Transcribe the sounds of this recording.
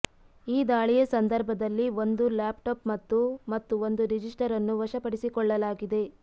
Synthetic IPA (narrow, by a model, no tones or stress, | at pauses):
iːd̪aːɭijɐsɐnd̪ɐɾbʱɐd̪ɐlːio̞nd̪ulaːpʈoːpmɐt̪ːumɐt̪ːuo̞nd̪uɾid͡ʒisʈɐɾɐnːuʋɐʃɐpɐɽisikɔɭːɐlaːɡid̪e̞